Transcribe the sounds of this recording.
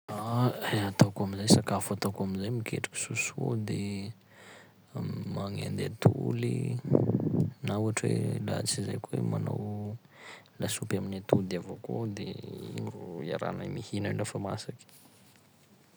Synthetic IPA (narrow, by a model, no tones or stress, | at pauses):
aat̪awkaminzajsakafat̪akaminzajmikʰḛʈ͡ʂḁki̥suso̰d̪e | maŋa̰nd̪et̪ʰuli | nauaʈ͡ʂwḛla̰t͡sizajkuwemana̰w | lasupaminat̪uld̪avakod̪ḛḭmia̰ɾa̰namihinailafama̰sakʲi̥